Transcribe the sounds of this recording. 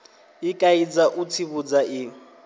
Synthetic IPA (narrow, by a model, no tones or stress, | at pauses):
ɪkʼaid͡zaʔut͡sʰiβud͡zaʔɪ